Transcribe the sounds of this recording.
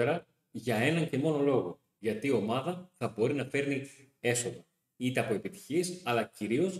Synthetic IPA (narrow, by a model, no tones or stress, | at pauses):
eɾɐ | ʝɐe̞nɐɲce̞mo̞no̞lo̞ɣo̞ | ʝɐt̪io̞mɐðɐθɐbo̞ɾinɐfe̞ɾni | e̞so̞ɣɐ | it̪e̞ɐpo̞e̞pit̪i̥çisɐlɐciɾio̞s